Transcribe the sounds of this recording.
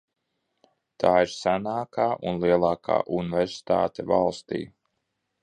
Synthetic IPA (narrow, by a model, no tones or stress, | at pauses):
t̪ʰaːiɾsanaːkʰaːʔunlˠiɛlˠɑːkʰa̰ːʔunvɛɾsi̥t̪a̰ːt̪ɛva̰lˠst̪ḭː